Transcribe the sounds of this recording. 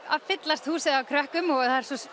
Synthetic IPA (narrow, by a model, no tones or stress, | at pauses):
a̰vfɪt̪last̪huːsɪðawkʰɾœhkʏmɔɣðθaðɛɾ̥sɔs